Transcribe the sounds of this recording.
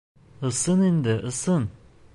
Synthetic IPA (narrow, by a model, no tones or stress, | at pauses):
ɯsɯnind̪ɪʔɯsɯn